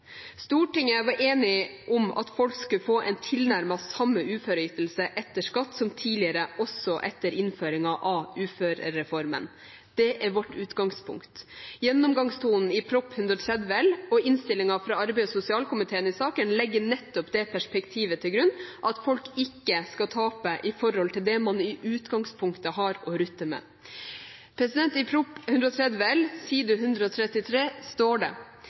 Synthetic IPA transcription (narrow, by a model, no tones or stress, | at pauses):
st̪uːʈɪŋːəʋɑɾʔeːnɪʔɔmɑ̰t̪fɔlkskʉfoːʔɛ̰nt̪ʰɪlnæɾmɑsɑmːəʉːføːɾəʏt̪əlsəʔɛt̪ːəʂkɑt̪ːsɔmt̪ʰiːlɪəɾəʔɔsɔʔɛt̪ːəɾɪnføːɾɪŋɑʔɑʉːføːɾəɛfɔɾmə̰n | d̪̥ɛʔæɾʋɔʈːʉːt̪ɡɑŋspʰʊ̰ŋkt̪jɛnːʊmɡɑŋst̪ʰuːnn̩ɪpʰɾɔpːhʉnd̪ɾɔt̪ʰɾɛd̪ʋəɛlɔɪnst̪ɪlɪŋɑfɾɑːɑɾbɛɪsʊsɪɑːlkʰʊmɪt̪ʰeːənɪsɑːkənlɛɡːəɳɛt̪ːɔpd̪ɛpʰæʂpɛkt̪ʰiːʋət̪ʰɪlɡɾʉnːʔɑt̪fɔlkɪkːəskɑt̪ʰɑːpəʔɪfɔɾhɔlt̪ʰɪld̪ɛmɑnɪʔʉːt̪ɡɑŋspʰʊŋkt̪əhɑɾɔɾʉt̪ːəmɛ̰ | pʰɾɛsɪd̪ɛnt̪ɪpʰɾʊphʉnd̪ɾɔt̪ʰɾɛd̪ʋəɛlsiːd̪ʉɦʉnd̪ɾəɔt̪ʰɾɛt̪ːɪt̪ʰɾeːst̪oːɖɛ̰